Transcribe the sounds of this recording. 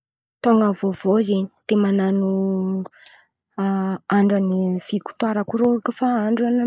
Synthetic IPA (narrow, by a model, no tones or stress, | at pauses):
t̪oŋɡəvovozeni̥t̪emananu | aɳɖ͡ʐanifiku̥t̪waɾakuɾoɾakəfaaɳɖ͡ʐuan